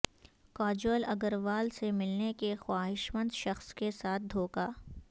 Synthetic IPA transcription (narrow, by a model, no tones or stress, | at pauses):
kɔːd͡ʒoːlɐɡəɾʋaːlsemɪlnekexwaːɦɪʃmə̃nd̪ʃɐxskesaːt̪̚ʰd̪ʱoːkaː